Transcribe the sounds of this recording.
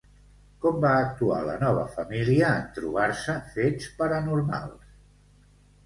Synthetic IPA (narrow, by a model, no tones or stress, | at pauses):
kɔmbaək̚t̪ua̰lə̰nɔβ̞əfəmiliəːnt̪ɾṵβ̞aɾsəfet͡spəɾənuɾma̰lˠs